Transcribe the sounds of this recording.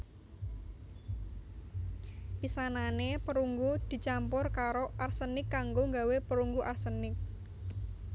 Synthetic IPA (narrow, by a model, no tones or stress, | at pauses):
pisananepəɾuŋɡud̪̥i̤t͡ʃampʊrkaɾoʔarsənɪkːaŋɡoŋɡawepəɾuŋɡuʔarsənɪk̚